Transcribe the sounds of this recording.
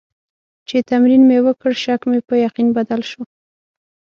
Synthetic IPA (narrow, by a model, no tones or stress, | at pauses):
t͡ʃet̪amɾinmewəkəɽʃakmepəjaqinbad̪alʃo